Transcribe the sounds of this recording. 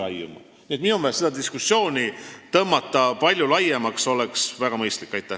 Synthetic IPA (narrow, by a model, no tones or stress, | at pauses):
ɑjumɑ̰ | niet̪minumesed̪ɑd̪iskusːjo̞ːnʲit̪ɤmːɑt̪ːˑɑpɑlʲjulɑjemɑkso̞leksvæɡ̥ɑmɤjst̪likːˑɑjt̪ːˑæh